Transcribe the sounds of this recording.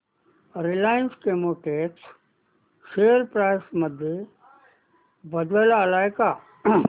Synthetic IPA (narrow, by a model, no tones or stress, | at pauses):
ɾɪlaːjənskemoʈeːʈ | ʃeəɾpɾaːɪsməd̪ʱje | bəd̪elalaːjka